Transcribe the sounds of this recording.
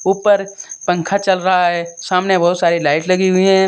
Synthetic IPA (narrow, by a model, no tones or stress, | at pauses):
uːpəɾpɐ̃ŋkʰat͡ʃɐlɾɐɦaɦɛːsaːmnebɔɦːʊt̪saːɾilaːɪʈlɐɡiɦʊiɦɛ̃ː